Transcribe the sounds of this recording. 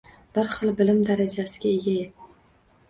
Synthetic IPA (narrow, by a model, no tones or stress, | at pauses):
b̥ɪɾχɨlˠbɪlɪmd̪aɾad͡ʒasɪɡʲaeɡʲaje